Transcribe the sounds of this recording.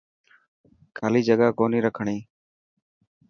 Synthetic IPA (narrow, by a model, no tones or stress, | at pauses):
kʰaːliːd͡ʒəɡaːkoːniːɾəkʰəɳĩː